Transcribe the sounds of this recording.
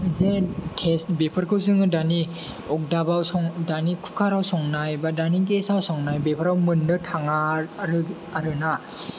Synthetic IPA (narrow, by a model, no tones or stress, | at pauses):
zetʰestbepʰɯɾkʰɯwzɯŋɯdani | ɔk̚dabawsɔŋdanikʰu̥kʰaɾawsɔŋnajbadaniɡesawsɔŋnajbepʰaɾawmɯnːɯtʰaŋaɾɯ | aɾɯna